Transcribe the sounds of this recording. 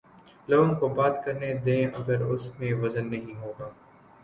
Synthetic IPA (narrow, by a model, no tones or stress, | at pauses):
lõːkobaːt̪kɐɾned̪ẽːɐɡəɾʊsmẽʋɐzənːɐɦĩɦoːɡaː